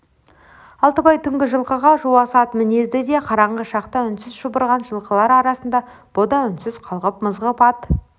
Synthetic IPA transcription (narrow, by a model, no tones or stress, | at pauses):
ɑlˠt̪əbɑjt̪ʰʏŋɡʲɪʒəlˠqəʁɑʒuwɑsɑt̪mɪnezd̪ɪd̪e̞qʰɑɾɑɴʁəʃɑqt̪ɑʏnsɪzʒubəɾʁɑnʒəlˠqəlˠɑɾɑɾɑsənd̪ɑ | b̥od̪ɑʏnsɪz̥qʰɑlˠʁəp̚məzʁəpɑt̪